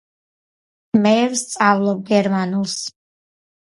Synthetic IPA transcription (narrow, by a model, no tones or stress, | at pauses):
mɛvst̪sʼavlˠɔb̚ɡɛɾmanulˠs